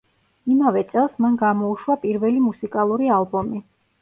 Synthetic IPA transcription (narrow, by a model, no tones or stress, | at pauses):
imavɛt̪sʼɛlˠsmanɡamɔuʃwapʼiɾvɛlimusikʼalˠuɾialˠbɔmi